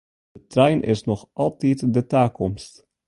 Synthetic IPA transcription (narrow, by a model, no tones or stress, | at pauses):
dətrɛjnʔɪ̰snɔχʔɑlˠtitdətaːkɔmst